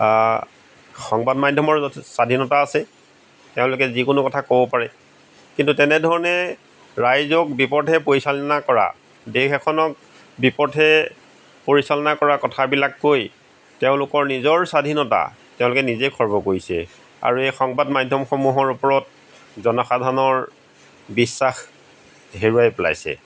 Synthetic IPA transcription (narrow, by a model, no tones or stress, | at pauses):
xɔŋbadmajdʱjɔmɔɹsadʱinɔtaːsɛ | teʊ̃lʊkɛzikʊnʊkɔtʰakobɔpaɹɛ | kintutɛnɛdʱɔɹɔnɛ | ɹajzɔk̚bipɔdɦɛpoɹisalɔnakɔɹa̰ | dexɛkʰɔnɔk̚ | bipɔdɛ | poɹisalɔnakɔɹakɔtʰabilakːoj | teʊ̃lʊkɔɹnizɔɹsadʱinɔta̰ | teʊ̃lʊkɛnizekʰɔɹbɔkoɹisɛ̰ | a̰ɹuejxɔŋbadmadʱjɔmxɔmuɦɔɹupɔɹɔt̚ | zɔnɔxadʱanɔɹ | bisːax | ɦeɹuajpla̰jsɛ̰